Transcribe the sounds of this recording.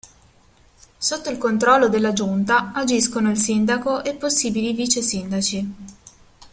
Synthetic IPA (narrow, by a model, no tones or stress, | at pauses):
sot̪ːoilkont̪ɾɔlːod̪elːad͡ʒunt̪aad͡ʒiskonoilsind̪akoʔɛpːosːiːbiliviːt͡ʃesind̪at͡ʃi